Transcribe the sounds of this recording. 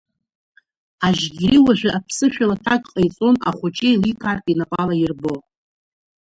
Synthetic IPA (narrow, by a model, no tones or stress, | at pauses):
aʒɡʲiɾiwaʒʷᶣaʔapʰsɨʃᶣalatʰakʼqʼajt͡sʼo̞naχʷot͡ʃʼejlikʰarpʼinapʼalajirbo̞